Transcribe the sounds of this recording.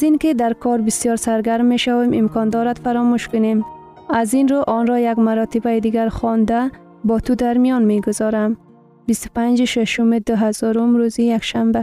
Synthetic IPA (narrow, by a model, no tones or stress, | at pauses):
zinked̪aɾkʰɔɾbisjɔɾsaɾɡaɾmːeʃawemɪmkɔnd̪ɔɾad̪faɾɔmuʃkʊnem | azinɾuʔɔnɾɔjaɡmaɾɔt̪ɪbajd̪iɡaɾxɔnd̪a | bɔt̪ud̪aɾmijɔnmeɡʊzɒɾam | bist̪ʊ̥pand͡ʒeʃaʃʊmed̪ʊɦazɔɾʊmɾuzijakʃamba